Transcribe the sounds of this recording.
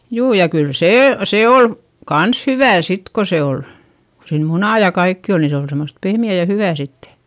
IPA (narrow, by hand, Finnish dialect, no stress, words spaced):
juː jɑ kyl seː se ol kɑns hyʋæˑ sit ko se ol ko siːn munɑˑ jɑ kɑikːi ol ni se ol semost pehmiæˑ jɑ hyʋæˑ sitːe